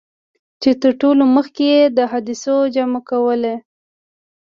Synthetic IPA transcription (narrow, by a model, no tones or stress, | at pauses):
t͡ʃet̪əɾʈoloməxkejed̪əɦad̪isod͡ʒamakawəle